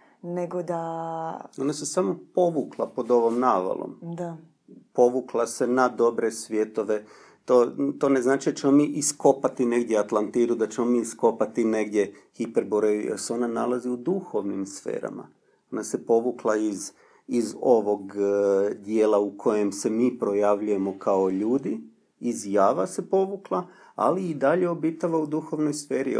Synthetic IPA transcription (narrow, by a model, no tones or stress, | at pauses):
neɡod̪a | o̞nase̞samo̞po̞ʋuːklˠapo̞d̪o̞ʋo̞mnaːʋa̰lˠo̰md̪a | po̞ʋuːklˠase̞nad̪o̞bɾe̞sʋje̞t̪o̞ʋe̞ | t̪oːt̪o̞ːne̞znaːt͡ʃid̪at͡ʃe̞mo̞miːʔisko̞pat̪ine̞ɡd̪jeat̪lˠant̪iɾud̪at͡ʃe̞mo̞miːisko̞pat̪ine̞ɡd̪jexipeɾboɾejujo̰seo̞nanalˠaziud̪uxo̞ʋnimsfḛːɾa̰ma̰ | o̞nase̞po̞ʋuklˠaiz | izo̞ʋo̞ɡ | d̪jeːlaukʰo̞je̞mse̞miːpɾo̞jaʋʎuje̞mo̞kaoʎuːd̪iː | zjaːʋase̞po̞ʋuklˠa | a̰liid̪aʎe̞obit̪aʋaud̪uxo̞ʋno̞jsfe̞ːɾi